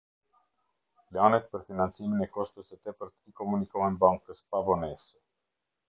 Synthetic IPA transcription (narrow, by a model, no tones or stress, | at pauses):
planɛt̪̚pəɾfinant͡siminɛkɔʃt̪əsɛt̪ɛpəɾt̪ikɔmunikɔɦɛnbaŋkəspavɔnɛsɛ